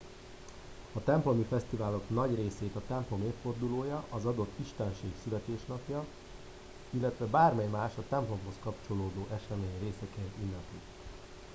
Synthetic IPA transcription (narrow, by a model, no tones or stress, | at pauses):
ɒt̪ɛmplo̞mifɛst̪ivaːlo̞knɒɟreːseːt̪ɒt̪ɛmplo̞meːffo̞rd̪uloːjɒʔɒzɒd̪o̞t̪ːiʃt̪ɛnʃeːksylɛt̪eːʃnɒpjɒ | ilːɛt̪ʋɛbaːrmɛjmaːʃɒt̪ɛmplo̞mɦo̞skɒpt͡ʃo̞loːd̪oːʔɛʃɛmeːɲreːsɛkeːnt̪inːɒt̪i